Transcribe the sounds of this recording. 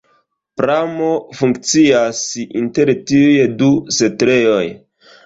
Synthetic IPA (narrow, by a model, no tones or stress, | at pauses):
pɾamo̞fuŋkt͡siasḭnte̞ɾtiujedusetɾe̞jo̞j